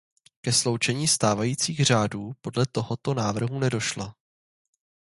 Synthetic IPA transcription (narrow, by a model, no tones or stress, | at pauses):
kɛslo̞wt͡ʃɛɲiːst̪aːvajiːt͡siːɣr̝aːduːpo̞dlɛt̪o̞ɦot̪o̞naːvr̩ɦunɛdo̞ʃla